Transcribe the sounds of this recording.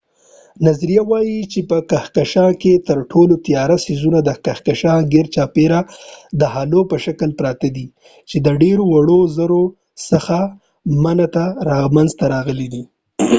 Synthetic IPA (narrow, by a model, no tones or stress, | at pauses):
nazɾijawɑjit͡ʃepəkaxkaʃɑket̪əɾʈʰolot̪ijɑɾasizunad̪əkaxkaʃɑɡɪɾt͡ʃɑpeɾad̪əhalopəʃakəlpɾɑt̪ad̪i | t͡ʃed̪əɖeɾowaɽozəɾo | səxa | manat̪aɾɑɣmanzt̪aɾɑɣəlid̪i